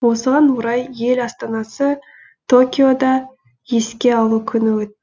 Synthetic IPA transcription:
wo̞səʁɑnwoɾɑjje̞lɑst̪ɑnɑsə | t̪ʰo̞kʲijo̞d̪ɑ | je̞skʲe̞ɑlˠukʲʰʏnɪwɵt̪ː

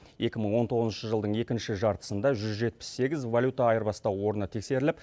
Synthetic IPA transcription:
je̞kʲɪməɴwo̞nt̪ʰo̞ʁəznʃəʒəlˠd̪əɴe̞kʲɪnʃɪʒɑɾt̪ə̥sənd̪ɑʒʏzʒe̞t̪̚pɪ̥sːe̞ɡʲɪzvalʲjut̪ɑːjəɾbɑst̪ɑwwo̞ɾənət̪ʰe̞kse̞ɾɪlɪp

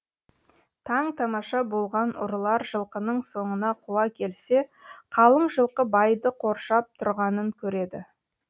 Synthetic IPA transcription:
t̪ʰɑɴt̪ʰɑmɑʃɑbo̞lˠʁɑnʊ̰ɾlˠɑɾʒəlˠqənəɴso̞ɴənɑqʰuwɑkʲʰe̞lse̞qʰɑlˠəɴʒəlˠqəbɑjd̪əqʰo̞ɾʃɑp̚t̪ʰʊɾʁɑnəŋkʲʰɵɾe̞d̪ɪ

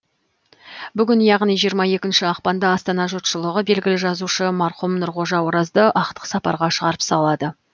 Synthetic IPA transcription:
bʏɡʲɪnjɑʁnijʒijəɾmɑje̞kʲɪnʃɪɑqpɑnd̪ɑɑst̪ɑnɑʒot̪ʃəlˠəʁəbe̞lɡʲɪlɪʒɑzuʃəmɑɾχumnʊɾʁo̞ʒɑwoɾɑzd̪əʔɑqt̪ə̥qsɑpɑ̰ɾʁɑʃəʁɑɾəpsɑlˠɑd̪ə

